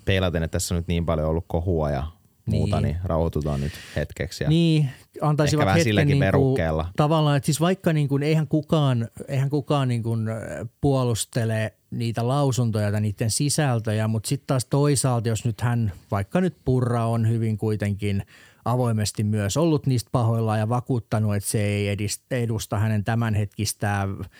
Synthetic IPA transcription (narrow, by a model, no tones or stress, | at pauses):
peilɑt̪enet̪t̪æsːonyt̪niːmpɑljoolːukkohuɑ̰jɑ̰ | mṵːt̪ɑnḭrɑ̰uhot̪ut̪o̰nnyt̪hḛt̪kḛksjɑ̰niːɑnt̪ɑisiʋɑɑhesilːæeniniːerukːeːlːɑt̪ɑʋɑlːɑːnet̪sisʋɑikːɑniːŋkuneihæŋkukɑːneihæŋkukɑːnniːŋkunpuɔlust̪ele | niːt̪ælɑusunt̪ojɑt̪ɑniːt̪ːensisælt̪øjæmut̪sit̪t̪ɑːst̪oisɑːlt̪josnyt̪hænʋɑikːɑnyt̪purːɑonhyʋiŋkuit̪eŋkin | ʔɑʋoimest̪immyøsolːut̪niːst̪̚pɑhoilːɑːjɑʋɑkuːt̪ːɑnuet̪seeiedist̪edust̪ɑhænent̪æmænhet̪kist̪æː